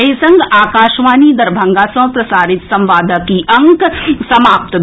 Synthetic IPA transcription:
isɐ̃ŋɡaːkaːʃʋaːnid̪ɐɾbʱɐ̃ŋɡaːsɐ̃ɦpɾɐsaːɾɪt̪sɐ̃mʋaːd̪ʱəkiʔɐ̃ŋksɐmaːp̚t̪

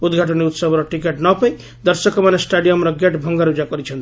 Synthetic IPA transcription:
ud̪ɡʱaʈɔniut̪sʌbɾɔʈikeʈnɔpʌj | d̪ʌɾsʌkmanesʈaɖijʌmɾʌɡeʈbʱʌŋɡaɾud͡ʒakɔɾit͡ʃʰʌnt̪

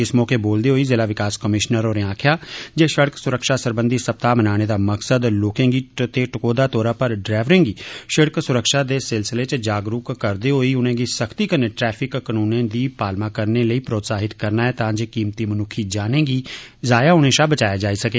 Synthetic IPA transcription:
ɪsmɔːkeːboːld̪eːɦoːiːzeːlaːʋɪkaːskəmɪʃnəɾoːɾeãːkʰjaːd͡ʒeːʃəɽksʊɾəkʃaːsəɾbənd̪iːsəp̚t̪aːmənaːɽ̃eːd̪aːməksəd̪loːkẽːŋɡiːt̪eːʈəkoːd̪aːt̪oːɾaːpəɾɖɾɛːʋɾẽːŋɡiːʃəɽksʊɾəkʃaːd̪eːsɪlsɪleːt͡ʃd͡ʒaːɡɾʊkːəɾd̪eːɦoːiːʊnẽːɡiːsəkʰt̪iːkəneːʈɾɛːpʰɪkːənuːnẽːd̪iːpaːlmaːkəɾneːləiːpɾoːt̪saːɦɪt̪kəɾnaːɛːt̪ãːd͡ʒeːkiːmt̪iːmənʊkʰiːd͡ʒaːnẽːɡiː | zaːjaːʊñẽːʃaːbət͡ʃaːjaːd͡ʒaːiːsəkeː

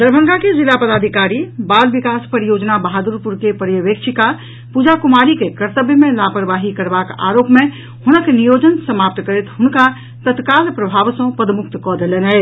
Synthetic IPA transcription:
d̪əɾbʱə̃ŋɡakezilapəd̪aːd̪ʱikaːɾibaːlʋikaːspəɾijoːd͡ʒnabəɦad̪uɾpuɾkepəɾjəʋeːkʃʰɪka | pud͡ʒakʊmaːɾikekəɾt̪əbjəmẽlaːpəɾʋaːɦikəɾbaka̰ːɾoːpmẽ | hʊnəknijoːd͡ʒənsəmaːp̚t̪kəɾet̪ɦʊnka | t̪ət̪kaːlpɾəbʱaːʋsõpəd̪mʊk̚t̪kɔd̪elenɦɛ

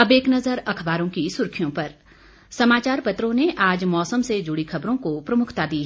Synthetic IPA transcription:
ɐbeːknɐzəɾɐkʰbaːɾõkisʊɾkʰijõpɐɾ | sɐmaːt͡ʃaːɾpɐt̪ɾõneʔaːd͡ʒmɔːsəmsed͡ʒʊɽixʰɐbɾõkopɾɐmʊkʰt̪ad̪iːɦ

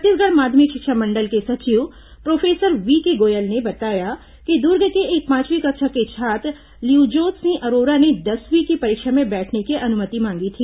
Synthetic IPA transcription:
t̪isɡʱəɾmaːd̪ʱmikʃɪkʃəmɐ̃ɳɖəlkesɐt͡ʃiʋ | pɾoːfʰeːsəɾʋikeɡoːjəlnebɐt̪aːja | kid̪uɾɡəkeeːk̚pãːt͡ʃʋikɐkʃʰəɾket͡ʃʰaːt̪ | liuːd͡ʒoːt̪sĩʔɐɾoːɾaned̪ɐsʋikipɐɾɪkʃəmẽbɛːʈʰnekiʔɐnʊmət̪imãːŋɡit̪ʰiː

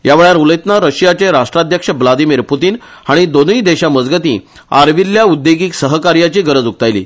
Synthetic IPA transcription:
jaʋeɭjaɾuləjt̪naɾəɕjat͡ɕeɾaʂʈɾad̪ʱjəkʂəʋlad̪imiːɾput̪iːn | haɽ̃id̪oniːd̪eɕaməd͡zɡət̪ḭ̃ | aɾʋiljaud̪jeɡiːksəɦəkaɾjat͡ɕiːɡəɾəd͡zuk̚t̪ajlḭː

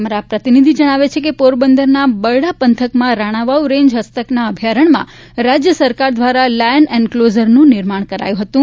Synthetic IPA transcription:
əmaɾapɾət̪inid̪ʱid͡ʒəɽ̃aʋet͡ʃʰekepoɾbənd̪əɾnabəɽapənt̪ʰəkmãɾaɽ̃aʋauɾẽɲd͡ʒɦəst̪əknaəbʱjaɾəɳmã̰ | ɾad͡ʒjəsəɾkaɾd̪ʋaɾalajənɛnklozəɾnũnɪɾmaɳ̃kəɾa̰jũɦət̪ũ

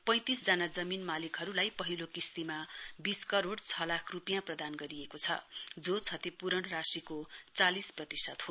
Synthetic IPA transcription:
pʌ̃j̃t̪isd͡zanad͡zʌminmalikɦʌɾulajpʌɦilokist̪imabiskʌɾoɽt͡sʰʌlakʰrupijãprʌd̪anɡʌɾijekot͡sʰʌ̰d͡zot͡sʰʌt̪ipuɾʌɳrasikot͡salisprʌt̪isʌt̪ɦo

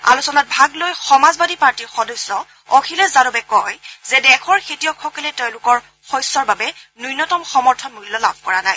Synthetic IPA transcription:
a̰lusɔnat̚bʱaɡlojxɔmazbadipaɹtiɹxɔdɔsːɔ | ɔkʰilɛszadɔbɛkɔjzɛdɛxʰɔɹxetijɔkʰxɔkɔlɛteʊ̃lʊkɔɹ | xɔjsːɔɹbabɛnujnɔtɔmxɔmɔɹtʰɔnmulːɔla̰bʱkɔɹanaj

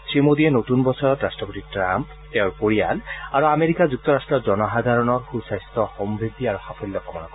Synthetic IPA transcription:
sɹimod̪iɛnotunbɔsɔɹɔtɹastɹɔpotitɹamp | tɛʊ̃ɹpoɹia̰laɹuameɹikazuk̚t̪ɔɹastɹɔzɔnɔɦad̪ʱaɹɔnɔɹxusajst̪ɔxɔmbʱeɡiaɹuxapʰɔlijɔkɔmɔnɔkɔ

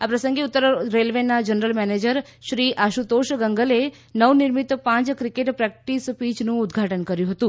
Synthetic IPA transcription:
apɾəsəŋɡeut̪ːəɾɾelʋenad͡ʒənɾəlmɛned͡ʒəɾ | ʃɾiʔaʃut̪oʃɡəŋɡəle | nəʋniɾmit̪pãt͡ʃkɾikeʈpɾɛk̚ʈispit͡ʃnũʊd̪ɡʱaʈənkəɾjũɦət̪ũ

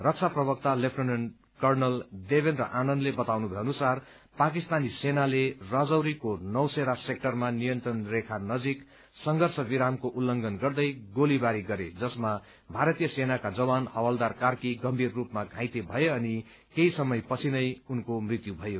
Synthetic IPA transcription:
rʌk̚t͡sʰaprʌbʌkt̪alepʰʈʌnenɖ | kʌrnʌld̪ebenɾʌ̰ʔanʌnlebʌt̪awnubʱʌjeʌnusar | pak̬ist̪anisenalerad͡zʌwɾikonʌwseɾasek̚ʈʌrmanijʌnt̪rʌnrekʰanʌd͡zik | sʌŋɡʱʌrsʰʌbiɾamkoʔulːʌŋɡʌnɡʌrd̪ʌjɡolibaɾiɡʌɾed͡zʌsma | bʱaɾʌt̪ijʌsenakad͡zʌwanhʌwald̪arkarkiɡʌmbʱirːupmaɡʱãjt̪ebʱʌjeʌni | keisʌmʌjpʌt͡sʰinʌjunkomrit̪jubʱʌjo

